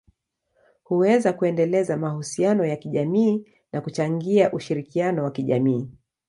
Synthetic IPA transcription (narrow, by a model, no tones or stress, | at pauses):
huwɛzakuɛndɛlɛzamahusianɔjakiʄamiː | nakut͡ʃaŋɡiaʔuʃiɾikianɔwakiʄamiː